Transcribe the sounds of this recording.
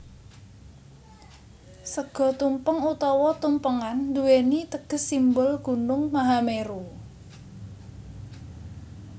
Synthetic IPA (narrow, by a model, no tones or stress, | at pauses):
səɡ̥ɔ̤t̪umpəŋut̪ɔwɔt̪umpəŋand̪uwenit̪əɡ̥ə̤sːimbʊlɡ̥ṳnʊŋmaɦameɾu